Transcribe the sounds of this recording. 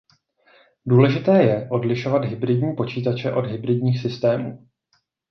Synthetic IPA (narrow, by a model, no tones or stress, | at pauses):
duːlɛʒɪt̪ɛːjɛʔo̞dlɪʃo̞vad̪ɦɪbɾɪdɲiːpo̞t͡ʃiːt̪at͡ʃɛʔo̞dɦɪbɾɪdɲiːxsɪst̪ɛːmṵː